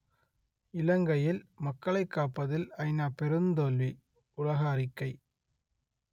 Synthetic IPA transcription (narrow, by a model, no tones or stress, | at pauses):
ɪlɐŋɡɐjɪlmɐkːɐɭɐɪkːaːpːɐðɪlɐɪnaːpɛɾɯnd̪oːlʋi | ʊlɐɣɐːɾɪkːɐɪ